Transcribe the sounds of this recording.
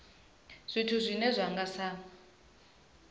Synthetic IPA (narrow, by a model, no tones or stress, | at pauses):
z̥ʷitʰuzʷinɛzʷaŋɡasa